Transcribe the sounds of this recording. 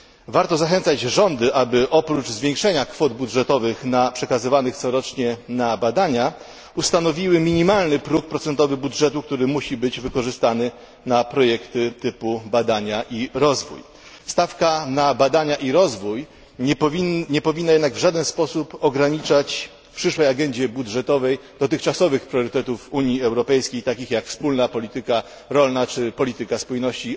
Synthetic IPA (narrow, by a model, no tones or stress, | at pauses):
vaɾt̪ɔzaxɛnt̪sad͡ʑʐɔnd̪ɘʔabɘʔɔpɾud͡ʐzvʲjeŋkʂɛɲakfɔd̪budʐɛt̪ɔvɘxnapʂɛkazɘvanɘxt̪sɔɾɔt͡ʂɲɛnabad̪aɲa | ust̪anɔvʲiwɘmʲiɲimalnɘpɾuk̚pɾɔt̪sɛnt̪ɔvɘbudʐɛt̪uk̚t̪uɾɘmuɕibɘd͡ʑvɘkɔʐɘst̪anɘ | napɾɔjɛkt̪ɘt̪ɘpubad̪aɲaʔiɾɔzvṵj | st̪afkanabad̪aɲaʔiɾɔzvujʲ | ɲɛpɔvʲinːajɛd̪naɡvʐad̪ɛnspɔsupɔɡɾaɲit͡ʂat͡ɕ | pʂɘʂwɛjaɡɛɲd͡ʑɛbudʐɛt̪ɔvɛjd̪̥ɔt̪ɘxt͡ʂasɔvɘxpɾjɔɾɘt̪ɛt̪ufuɲjiɛwɾɔpɛjskʲejt̪akʲixjakfspulnapɔlʲit̪ɘka | ɾɔlnat͡ʂɘpɔlʲit̪ɘkaspujnɔɕt͡ɕi